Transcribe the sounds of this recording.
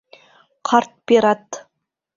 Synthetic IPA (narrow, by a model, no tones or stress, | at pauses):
qʰɑɾt̪̚beɾat̪